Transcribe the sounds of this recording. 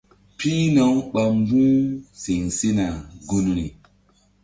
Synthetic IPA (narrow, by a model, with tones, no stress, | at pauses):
piː˦na˨wɓa˨m˦bũ˦si˨ŋsi˦na˨ɡu˦nɾi˨